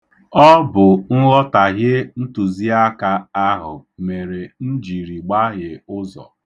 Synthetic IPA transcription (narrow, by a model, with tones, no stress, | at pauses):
ɔ˦bʊ˨ŋ̩˦ɣɔ˦ta˨ɦɪ˦n̩˦tu˨zi˦a˦ka˦a˦ɦʊ˨me˨ɾe˨n̩˦d͡ʒi˨ɾi˨ɡ͡ba˦ɦɪ˨ʊ˦zɔ̰˨